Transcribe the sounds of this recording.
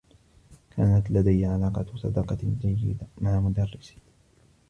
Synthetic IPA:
kʰaːnat̪lad̪ajːʕalaːqɑsˤɑd̪ɑqɑd͡ʒajːɪ̰d̪amaʕamʊd̪arːɪs

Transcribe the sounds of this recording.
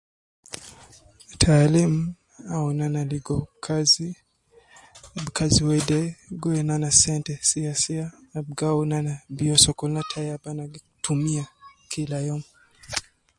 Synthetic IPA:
tʰaːlimu | aunanaliɡɔkʰazi | abkaziwɛdɛɡɔɛnanasɛntɛsiasiaːbɡaunanabiɔsɔkɔlnatʰajabana | tumiakʰilajɔm

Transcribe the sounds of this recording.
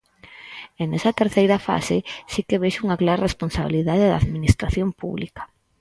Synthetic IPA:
enɛsɐt̪eɾθejɾɐfa̰sesikeβeʃuŋɐklaɾaresponsaβiliðaðeðaðminist̪ɾaθjompṵβlikɐ̥

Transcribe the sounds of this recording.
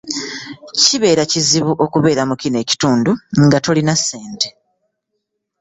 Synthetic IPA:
ciβe̞ːɾaciziβuʔo̞kuβe̞ːɾamukine̞ːci̥tuːnduŋɡato̞linasːe̞ːnte̞

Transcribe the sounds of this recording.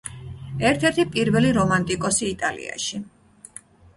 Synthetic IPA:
ɛɾt̪ʰɛɾt̪ʰipʼiɾvɛliɾɔmant̪ʼikʼɔsiːt̪ʼalḭa̰ʃi

